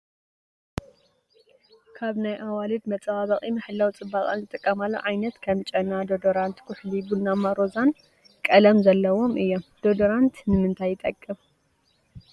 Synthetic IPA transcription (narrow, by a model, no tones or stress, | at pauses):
kʰaβnajʔawalɨd̪mɐt͡sʼwaβɐχʼimɨħɨlːawt͡sʼɨbːaχʼa̰nzɨt̪ʼɨkʼːɐmalːo̰ʕajnɐt̪kʰɐmt͡ʃʼɐnad̪od̪oɾant̪kʰʊħlibulnamaɾo̞zan | kʼɐlɐmzɐlːɐwo̞mʔɨjːomd̪̥od̪oɾant̪nɨmɨnt̪ʰajːɪt̪ʼɐkʼːɨm